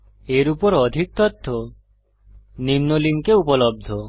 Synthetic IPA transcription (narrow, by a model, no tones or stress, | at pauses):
eɾupɔɾɔd̪ʱik̚t̪ɔt̪ʰːo | nimnoliŋkeupɔlɔb̚d̪ʱɔ